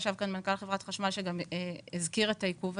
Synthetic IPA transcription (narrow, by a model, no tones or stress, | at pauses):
ʃavkanmankalχevʁatχaʃmalʃeɡamizkiʁe̞taikuv